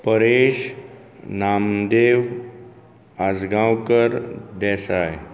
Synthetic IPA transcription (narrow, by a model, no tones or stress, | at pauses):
pəɾeɕ | namd̪eʋ | ad͡zɡãwkəɾd̪ɛsaj